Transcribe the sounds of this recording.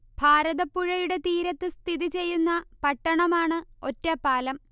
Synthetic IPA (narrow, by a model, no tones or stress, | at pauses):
bʱaːɾɐðɐpːuɻɐjuɽe̞t̪iːɾɐt̪ːɨst̪ʰiðit͡ɕe̞jːunːɐpɐʈːɐɳɐmaːɳɨo̞tːɐpːaːlɐm